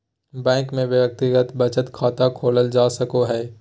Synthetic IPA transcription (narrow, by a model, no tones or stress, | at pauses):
bɛ̃ːŋkmẽʋjək̚t̪ɪɡət̪bɐt͡ʃət̪kʰaːt̪akʰoːləld͡ʒaːsɐkoɦɛː